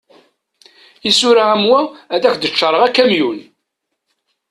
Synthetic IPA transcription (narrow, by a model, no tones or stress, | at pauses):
isʊɾaæmwææðæçd̪ət͡ʃːəɾˤəʁækːæmjun